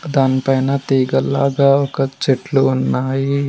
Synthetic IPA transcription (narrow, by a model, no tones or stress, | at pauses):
d̪aːnipɐjnɐt̪iːɡɐlːa̰ːɡaɔkɐt͡ʃeʈluːnːaːji